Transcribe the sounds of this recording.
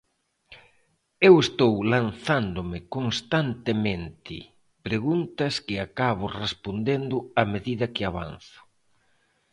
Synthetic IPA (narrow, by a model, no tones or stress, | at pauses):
ewest̪owlanθand̪ʊmɪkonst̪ant̪emẽnt̪ʰɪ̰ | pɾeɣunt̪ɐskɪakaβ̞ʊrespond̪end̪ʊameðiðɐkɪaβa̰nθʊ̥